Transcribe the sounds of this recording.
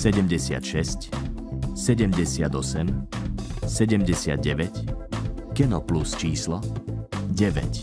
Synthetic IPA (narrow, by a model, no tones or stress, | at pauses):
sɛɟɛmɟɛsɪa̰t̪ʃɛsc | sɛɟɛmɟɛsɪad̪ɔsɛm | sɛɟɛmɟɛsɪa̰d̪̚ɟɛʋɛc | kɛnɔplust͡ʃiːslɔ | ɟɛʋɛ̰c